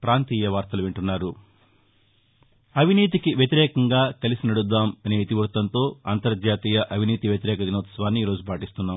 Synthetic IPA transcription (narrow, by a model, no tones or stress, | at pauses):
pɾaːnt̪iːjɐʋaːɾt̪ɐluʋeɳʈunːaːɾu | ɐʋiniːt̪̬ikiʋjɐt̪̬iɾɛːkɐŋɡaːkɐlisinɐɽud̪ːaːmɐneːit̪iʋɐɾt̪ɐnt̪o̞ːɐnt̪ɐɾd͡ʒaːt̪iːjɐʔɐʋʱiniːt̪iʋjɐt̪iɾɛːkɐd̪inoːt̪sɐʋaːnːiiːɾo̞ːd͡ʒupaːʈist̪unːaːm